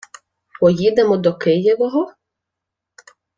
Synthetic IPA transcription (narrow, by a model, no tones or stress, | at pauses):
pɔjid̪emɔd̪ɔkɪjɛʋɔɦɔ